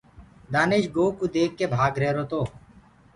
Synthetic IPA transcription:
d̪aːnɪʃɡoːkuːd̪eːkːeːbʱaːɡɾeːɾoːt̪oː

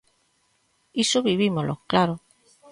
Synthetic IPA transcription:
isoβiβimolʔo̰klaɾo

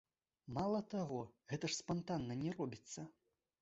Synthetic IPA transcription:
malˠɐt̪aɣɔɣɛt̪ɐʂspant̪anːɐnʲɛrɔbʲit̪sːɐ

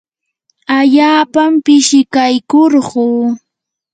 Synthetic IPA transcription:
aʎaːpampɪʃɪkajkoɾɢuː

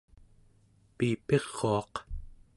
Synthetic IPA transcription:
piːpe̞ʁːoɑq

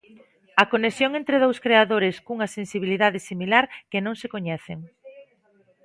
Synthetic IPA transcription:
ɐkonesjoŋẽnt̪ɾeð̞owskɾeaðoɾɪskuŋɐsensiβiliðaðɪsimilaɾkɪnõŋsekoɲɛθeŋ

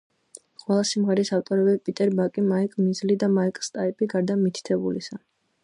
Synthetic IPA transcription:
qʼwɛlˠasimʁɛɾisaft̪ʼɔɾɛbɛpʼit̪ʼɛɾbakʼimaikʼmizlid̪amaikʼst̪ʼaipʰʼiɡaɾd̪amit̪ʰi̥t̪ʰɛbulḭsa

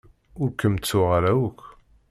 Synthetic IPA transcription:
ʊɾkəmt͡sːʊʁaɾæwəkː

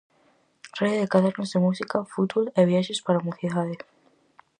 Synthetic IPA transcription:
r̥eðeðekaðeɾnozðemusikafut̪βoleβjaʃespaɾamuθiðaðe

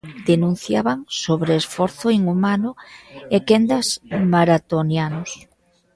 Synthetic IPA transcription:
d̪̥enũn̟θjaβaŋsoβɾeːsfɔɾθʊiŋumanʊekɛnd̪ɐsmaɾat̪onjanʊs

